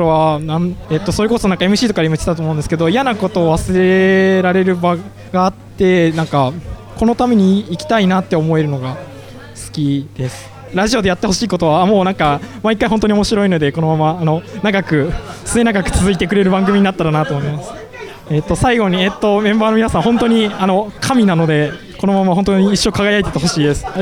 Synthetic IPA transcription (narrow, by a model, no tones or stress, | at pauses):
oβanaet̪ːo̞soːɾɯko̞sonãŋkae̞mɯ̟ɕiːt̪o̞kaɾimait͡ɕt̪e̥t̪at̪omo̞ɯ̃nd̪eske̞d̪o̞ijanako̞t̪o̞ːβasɨɾe̞ɾaɾe̞ɾɯ̟ba | ɡaːt̪ːe̞nãŋkako̞no̞t̪ame̞ɲ̟iːkʲi̥t̪ainat̪ːeomo̞e̞ɾɯ̟no̞ɡa | sɨ̥kʲid̪̥e̞sɨ̥ | ɾaʑio̞d̪e̞jat̪ːe̞ho̞ɕiːko̞t̪o̞β̞amo̞ːnãŋkamaikːaiɦont̪o̞ɲ̟io̞mo̞ɕiɾo̞ino̞d̪e̞ko̞no̞mamaːno̞naɡakɯ̟sɨne̞naɡakɯ̟̥t͡sɨzɨit̪e̞k̬ɯɾe̞ɾɯ̟bãŋɡɯ̟mʲiɲ̟inat̪ːaɾanat̪oːmoimasɨ̥ | et̪ːo̞saiɡo̞ɲ̟iet̪ːo̞mẽ̞mbaːno̞mʲinasãɦõ̞nt̪o̞ɲ̟iano̞kʰamʲinano̞d̪e̞ | ko̞no̞mamaɦõ̞nt̪̬oɲ̟iːɕːokaɡajait̪e̞t̪eɦo̞ɕiːd̪e̞sɨ̥